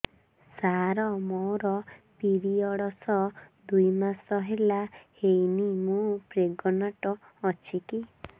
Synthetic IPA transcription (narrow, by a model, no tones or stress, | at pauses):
saɾɔmɔwɾɔpiɾiɔɽɔsɔd̪ujmasɔɦelahejnimũpɾeɡɔnaʈɔː | t͡ʃʰiki